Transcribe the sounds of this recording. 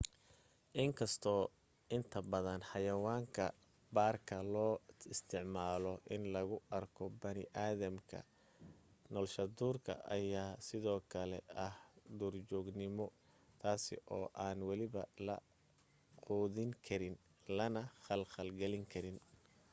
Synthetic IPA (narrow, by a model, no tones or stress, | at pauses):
ʔɪŋkʰɐst̪ʰɔː | ɪnt̪ʰɐbɐðɐnħɑjɐwaːŋkʰɐ̰ | baːrkʰɐlɔːɪst̪ʰɪʕmaːlɔʔɪnlɐɣʊɐrkʰɔbɐnɪʔaːðɐmkʰɐ̰ | nɔːlʃɐd̪uːrkʰɐ̰ʔɐjaːsɪðɔːkʰɐlɛ̰ʔɐhd̪uːrt͡ʃɔːɡnɪmɔ | t̪ʰaːsɪ̰ʔɔːʔaːnwɑlɪβɐlɐ̰ | qɔːðɪŋkʰɐɾɪn | lɐnɐχɐlχɐlɡɐlɪŋkʰɐɾɪn